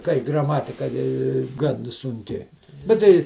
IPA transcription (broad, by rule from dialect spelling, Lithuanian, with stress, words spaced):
kɐɪ ɡrɐˈmɑːtʲɪkɐ ɪ ˈɡɐn sʊŋʲˈkʲɪ bʲɛt ˈtɐɪ